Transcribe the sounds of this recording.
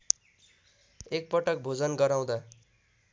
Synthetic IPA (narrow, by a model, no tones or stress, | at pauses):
ek̚pʌʈʌk̚bʱod͡zʌnɡʌɾaw̃d̪a